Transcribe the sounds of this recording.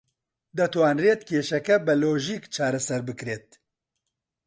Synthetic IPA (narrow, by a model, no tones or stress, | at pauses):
d̪ɛt̪waːnreːt̪kʰeːʃɛkɛbɨloːʒiːkt͡ʃʰaːɾɛsɛɾbɨkɾeːt̪̚